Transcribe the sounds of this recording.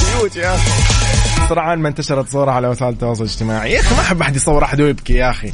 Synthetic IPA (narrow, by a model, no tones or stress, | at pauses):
bɪjuːt̪ijaxi | sˤɑɾˤɑʕanmant̪aʃɑɾˤɑt̪sˤuːɾˤɑʕalawasaːʔlt̪ːɑwɑːsˤʊlɪd͡ʒt̪ɪmaːʕiʔaximaʔaħɪbːʔaħad̪jsˤɑwːɪɾˤʔaħd̪ujɪbkijaʔxi